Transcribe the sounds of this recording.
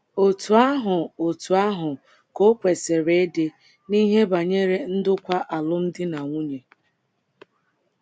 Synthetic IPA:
o˨tu˨a˦ɦʊ˨o˨tu˨a˦ɦʊ˨ | ko˦kʷe˨se˨ɾe˦e˦de˨ | ni˦ɦe˦ba˨ɲe˦ɾe˦n̩˦dʊ˦kʷa˦ʔa˨lʊ˦n̩˦dɪ˦na˨ŋʷu˦ɲe˨

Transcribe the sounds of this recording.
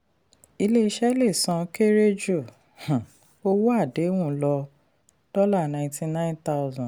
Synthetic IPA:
i˧le˦i˧˦ʃɛ˦le˦˨sɔ̃˧ke˦ɾe˦d͡ʒu˦˨ | hã˨ | o˦wu˦a˦˨de˨˦wũ˦˨˦lɔ˧ | d̥ɔ˦la˦˨nã˧˨ĩ˨tĩ˧nã˦ĩ˦nta˦ʊzɔ̃˨

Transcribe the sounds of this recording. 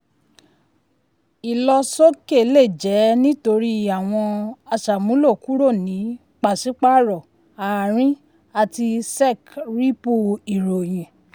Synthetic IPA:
i˨lɔ˧so˦ke˦˨˦le˦˨d͡ʒɛ˨˦nĩ˦to˧ɾi˦a˨w̃ɔ̃˧a˧ʃa˨mũ˨˦lo˦˨ku˦ɾo˦˨nĩ˨˦ | k͡pa˨si˨˦k͡pa˦ɾɔ˨ | a˨ɾ̃ĩ˦ | a˧˨ti˧sɛ˦˨kɾi˦po˧˨i˨ɾo˨j̃ɛ̃˨

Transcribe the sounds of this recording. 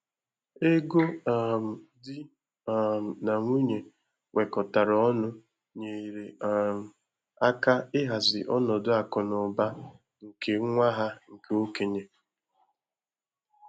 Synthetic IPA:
e˦ɡo˦a˨m̩˨dɪ˦˨ | m̩˨na˨ŋʷu˦ɲe˨ | wʔe˨kɔ˨ta˨ɾɔ˨ɔ˦nʊ˦ | ɲe˨ɾe˨a˨m̩˨ | a˦ka˦ɪ˦ɦa˨zɪ̰˨ʔɔ˦nɔ˨dʊ˦a˨kɔ˨nɔ˨ba˦ | ŋ̩˨ke˨˦ŋʷa˦ɦa˦ŋ̩˨ke˦o˦ke˨ɲe˨

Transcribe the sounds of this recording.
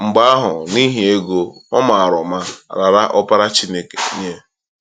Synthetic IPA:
ŋ͡m̩˨ɡ͡ba˦a˦ɦʊ˨ni˦ɦi˨e˦ɡo˦ɔ˦ma˨a˨ɾʊ˨ma˦ɾa˨ɾa˦ʔɔ˦pa˦ɾa˦t͡ʃi˦ne˦ke˨ɲe˦

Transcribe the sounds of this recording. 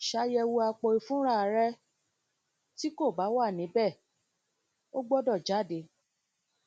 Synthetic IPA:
ʃa˧jɛ˧wu˧a˧k͡pɔ˧i˨˧fũ˦ɾa˦˨ɾɛ˧ | ti˦ko˦˨ba˨˦wa˦˨nĩ˨˦bɛ˦˨ | o˦ɡ͡bɔ˦dɔ˦˨d͡ʒa˨˦˨de˨˦

